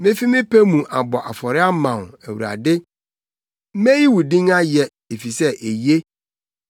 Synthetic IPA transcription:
mɪ̃˦fi˦mɪ̃˦pʰe˦mũ˨ʔa˨bɔ˨ʔa˨fɔ˨ɾɪ˦a˦mã˨n˨æ˨wu˨ɾa̰˨dɪ˦ | mẽ˦ji˦wu˨dĩ˦ŋa˦jɛ˨ | e˨fi˨sɛ˦ʔe˨je˦

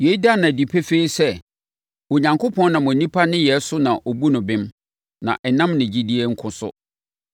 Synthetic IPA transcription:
je˨i˦da˦˨nã˨di˨pʰe˦fe˦i˦sɛ˦ | o˨ɲã˨ŋko˦pʰɔ̃˦nnã˨mʊ̃˨nĩ˦pʰa˦nɪ̃˦jɛ˨˦sʊ˦nã˨ʔo˨bu˦nʊ̃˨bɪ̃˦m | nã̰˨ʔɛ˨nã˦mnɪ̃˨d͡ʑi˦di˦e˦ŋ̩˦kʰʊ̃˨sʊ̰˦

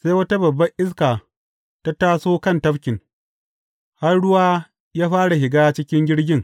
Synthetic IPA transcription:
sa˦jwɐ˦ta˦bɐ˨bːɐ˦ŋʔɪ˦s̬kaː˨ | ta˦taː˦soː˦kɐ˦ntɐ˦ɸkʲɪ˨ŋ | ha˦rɽʊ˦waː˦ | jaː˦ɸaː˦ɽa˨hɪ˨ɡaː˦t͡ʃɪ˦kʲɪ˦ŋɡʲɪ˦ɽɡʲɪ˦ŋ

